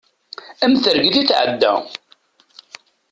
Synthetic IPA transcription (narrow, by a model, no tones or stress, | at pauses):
æmθəɾɡðiθʕə̰d̪ːæ̰